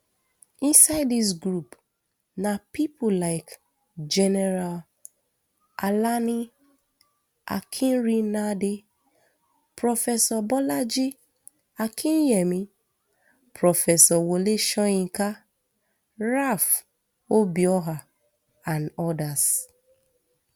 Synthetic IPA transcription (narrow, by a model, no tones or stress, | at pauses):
ĩnsaɪdis̬ɡɾup | napipʰolaɪk | d͡ʒɛnɛɾal | alani | a̰kʰĩnɾinade | pɾofɛsɔbɔlad͡ʒi | akʰĩnjemi | pɾɔfɛsɔwoleʃɔĩŋ̩ka | ɾaf | obiɔɦa | anɔdas